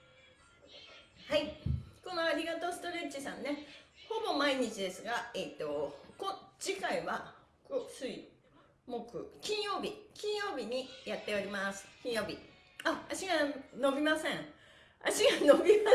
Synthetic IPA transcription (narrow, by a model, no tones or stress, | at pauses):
haikõ̞noaɾʲiɡat̪o̞sɨ̥t̪o̞ɾe̞t͡ɕisãnːeho̞bo̞maiɲ̟it͡ɕid̪e̞sɨɡaet̪ːo̞kod͡ʑikaiβa | kosɨi | mo̞kɯ̟̰kʲĩɰ̃jo̞ːbʲikʲĩɰ̃jo̞ːbʲiɲ̟ijat̪ːe̞o̞ɾʲimasɨ̥kʲĩɰ̃jo̞ːbʲi | aaɕiɡano̞bʲimasẽ̞ɴ | a̰ɕiɡanobʲima